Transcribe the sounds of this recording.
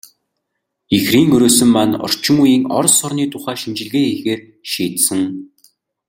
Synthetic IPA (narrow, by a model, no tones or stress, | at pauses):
ixriːŋɵɾoːsɘ̆mːanɔ̰r̥t͡ɕɪ̆ŋujiːŋɔ̰rsɔrniːt̪ʰʊχæːʃint͡ɕɪ̆ɮɣeːexeːr | ʃiːt̪sɘ̆ŋ